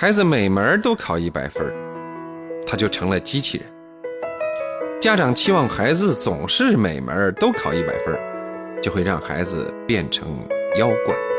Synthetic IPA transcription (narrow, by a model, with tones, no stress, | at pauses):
xa˧˥ɪd͡zɹ̩˧me˨˩ɪmə˧˥t̪o˥ʊkʰɑ˨˩ʊi˥˩pa˨˩ɪfə̰˥ | t̪ʰa˥t͡ɕjo˥˩ʊʈ͡ʂʰɤ˧˥ŋlə˧t͡ɕi˥t͡ɕʰḭ˥˩ | t͡ɕja˥ʈ͡ʂɑ˨˩ŋt͡ɕʰi˥wɑ˥˩ŋxa˧˥ɪd͡zɹ̩˧t͡sʊ˨˩ŋʂɻ̩˥˩me˨˩ɪmʔə̰˧˥t̪o˥ʊkʰɑ˨˩ʊi˥˩pa̰˨˩ɪfə̰˥t͡ɕjo˥˧xe˥˧ɪɻɑ˥˩ŋxa̰˧˥ɪd͡zɹ̩̰˧pjɛ˥˩nʈ͡ʂʰɤ̰˧˥ŋjɑ˥ʊkwa̰˨˩˦n